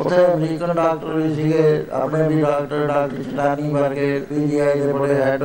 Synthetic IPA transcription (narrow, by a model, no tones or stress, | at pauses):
ʊt̪ʰeəmɾiːkənɖaːk̚ʈəɾbisiɡeɐ̰pnebʱiɖaːkʈəɾɖaːkt͡ʃɪʈaːnĩbɐɾkepiːbiːaːid̪ebɐɽeɦɛːʈ